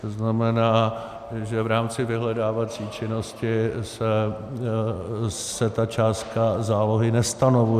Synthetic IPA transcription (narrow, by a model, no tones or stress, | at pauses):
t̪oznamɛnaː | ʒɛvɾaːmt͡sɪvɪɦlɛdaːvat͡siːt͡ʃɪno̞scɪsɛ | sɛt̪at͡ʃaːst̪kazaːlo̞ɦɪnɛst̪ano̞vu